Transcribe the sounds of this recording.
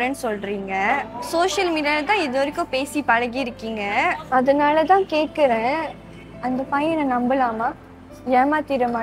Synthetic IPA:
ɾɛnːsɔlɾiːŋɡɐsoːʃɐlmiːɖɪjaːlɐt̪ãːɛðoɐɾɪkːʊ̃peːsipɐɻɐɣiɪɾɯkːiːŋɡɐɐðɐnaːlɐt̪ãːkeːʈ̚kɪɾẽː | ɐnd̪ɐpɐjɐnɐ̃nɐmbɐlaːmaː | jɛːmaːt̪iɾɐmaː

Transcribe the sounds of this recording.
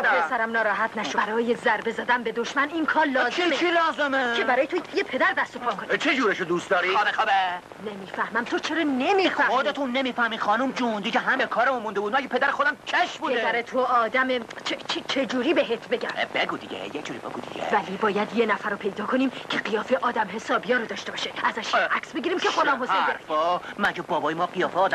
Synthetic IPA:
d̪besæɾæmnɒːɾɒːɦæt̪ʰnæʃobæɾɒːje̞zæɾbe̞zæd̪ænbe̞d̪o̞ʃmæniːnkʰɒːɾlɒːzeet͡ʃʰilɒːzemeebæɾɒːjet̪ʰojepʰe̞d̪æɾd̪æst̪o̞pʰɒːkʰonit͡ʃʰed͡ʒuːɾeʃod̪uːst̪d̪ɒːɾiɒːbexɑbe | nemiːfæhmæmt̪ʰot͡ʃʰeɾɒːnemiːfæod̪et̪ʰunːemiːfæhmiːχɒːnumd͡ʒund̪iceɦæmekʰɒːɾemunmund̪ebud̪ækʰepʰed̪æɾexod̪æmt͡ʃʰeʃbuːded̪æɾet̪ʰoɒːd̪æmet͡ʃʰet͡ʃʰet͡ʃʰe̞d͡ʒuːɾiːbeɦet̪ʰbe̞ɟæ̰mb̥eɡud̪iɡḛjed͡ʒuːɾḭbḛɡṵd̪ḭɟḛvælibɒːjæd̪jenæfæɾɔpʰe̞jd̪ɒːkʰoniːmcʰeɢijɒːfeʔɒːd̪æmɦe̞sɒːbijɒːɾod̪ɒːʃt̪e̞bɒːʃeæzæʃʔæksbeɡʲiːɾiːmkʰexod̪ɒːmhosendɾfɔmæd͡ʒɛbɒːbɒːjemɒːqijɒːfeɒːd̪æ

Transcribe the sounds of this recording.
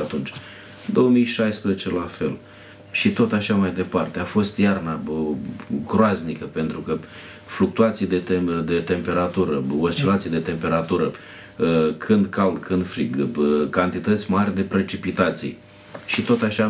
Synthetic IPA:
at̪unt͡ʃʲ | ɨd̪o̞omijʃajspɾezet͡ʃe̞lafe̞l | ʃit̪o̞t̪aʃamajd̪e̞part̪e̞afo̞st̪jarna | ɡɾoaznikəpe̞nt̪ɾukə | fluk̚t̪uat̪sijd̪eed̪e̞t̪e̞mpe̞ɾat̪uɾəost͡ʃilat̪sijd̪e̞t̪e̞mpe̞ɾat̪uɾə | kʰɨnd̪kald̪kɨnd̪fɾiɡkant̪it̪ət̪sʲmarʲd̪e̞pɾe̞t͡ʃipit̪at̪sḭj | ʃit̪o̞t̪aʃa

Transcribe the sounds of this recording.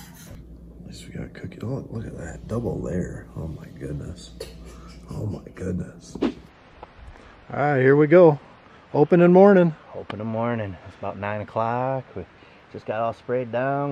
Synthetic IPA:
ɛswiɡɑ̰ɾkʰʊkɨolʊkɨt̪̚ðɨ̰t̚d̥ʌbl̩ˠlɛɹoʊmaɪɡ̥ʊdⁿnə̰s | oʊmaɪɡ̥ʊdⁿnɨs | a̰hiɹwiɡoʊ | oʊpɨ̃nɨ̃nmɔɹnɪ̃ŋoʊpə̃nə̃nmɔɹnɪ̃ŋsəbaʊtⁿnãɪ̃nɨkʰl̥ɑkwi̥ | ʒ̥ʌsɡ̥ɑɾɔlˠspɹeɪdãʊ̃n

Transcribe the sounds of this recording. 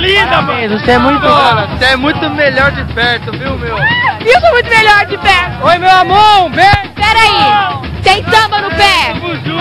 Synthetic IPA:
lĩd̪ɐezoseɛmũj̃t̪ʊonɐseɛmũj̃t̪ʊmeʎɔɾd͡ʒɪpɛɾt̪ʊviwmewisomũj̃t̪ʊmeʎɔɾd͡ʒɪpɛɾt̪ʊojmewamɐ̃wvẽpɛɾai | sẽj̃sɐ̃bɐnʊpɛ

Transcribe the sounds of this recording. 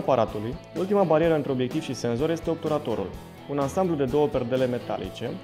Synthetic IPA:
paɾʔat̪uluj | ult̪imabaɾieɾəɨnt̪ɾeo̞bjek̚t̪iv̥ʃise̞nzo̞ɾje̞st̪e̞op̚t̪uɾat̪o̞ɾṵl | unansamblud̪e̞d̪o̞wəpe̞rd̪ele̞me̞t̪a̰lḭt͡ʃe̞

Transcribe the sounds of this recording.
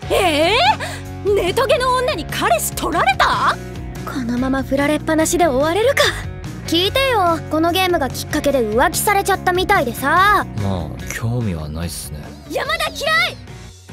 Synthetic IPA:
e | ne̞t̪o̞ɡe̞nõ̞ːnːaɲ̟ikʰaɾe̞ɕi̥t̪ʰo̞ɾaɾe̞t̪a | kʰo̞no̞mamaɸɯ̟ɾaɾe̞pːanaɕid̪e̞oβaɾe̞ɾɯ̟ka | kʲiːt̪e̞jo̞ko̞no̞ɡe̞ːmɯ̟ɡakʲi̥kːake̞d̪e̞ɯ̟βakʲi̥saɾe̞t͡ɕat̪ːamʲit̪aid̪e̞sama̰ːkʲʰo̞ːmʲḭβa̰na̰ḭɨ̥nḛ | jamad̪akʲiɾai

